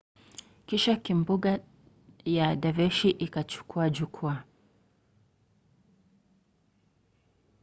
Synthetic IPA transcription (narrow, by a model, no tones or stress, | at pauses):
kiʃakimbuɡa | jadavɛʃiʔikat͡ʃu̥kuad͡ʒukʰua